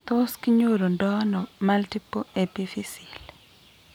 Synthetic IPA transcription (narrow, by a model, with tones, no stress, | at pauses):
t̪o˦skɲo˦ɾo˨ndɔ˦nɔ˨ma˦lti˦po˦e˨pi˦fi˦si˨l